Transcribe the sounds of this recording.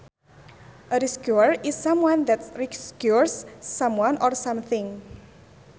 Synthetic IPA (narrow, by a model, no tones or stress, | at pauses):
ʔəɾiskjuəɹisːãmwãnd̪ɛtɹiskjuɹsːãmwãnʔɔrsãmθɪ̃ŋ